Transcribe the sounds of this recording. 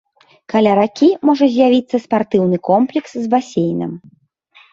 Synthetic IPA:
kalʲaɾakʲimɔʐɐzʲjavʲit̪sːɐspart̪ɨwnɨkɔmplʲɛkszbasʲejnɨ̰m

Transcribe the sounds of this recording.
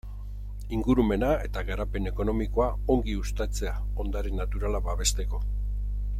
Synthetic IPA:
iŋɡuɾume̞nae̞t̪aɣaɾape̞ne̞ko̞no̞miko̞ao̞ŋɡiust̪at͡se̞ao̞nd̪aɾe̞nːat̪uɾalaβaβe̞st̪e̞ko̞

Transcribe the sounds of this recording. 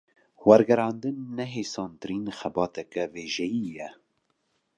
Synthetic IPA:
wɛɾɡɛɾɑːnd̪ɨnːɛɦeːsɑːnt̪ɨɾiːnxɛbɑːt̪ɛkɛveːʒɛjiːjɛ

